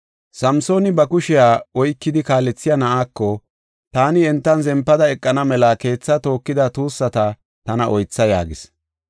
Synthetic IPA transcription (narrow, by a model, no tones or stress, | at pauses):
sɐmso̞ːnɪbɐkʊʃɪjaːɔjkːɪd̪ɪkaːlɛt͡sːɪjɐnɐʔaːkːɔ | t̪aːnɪɛnt̪ːɐnzɛmpːɐd̪ɐɛkʼːɐnɐmɛlɐke̞ːt͡sːɐt̪o̞ːkːɪd̪ɐt̪uːsːɐt̪ɐ | t̪ɐnɐʔɔjt͡sːɐja̰ːɡɪs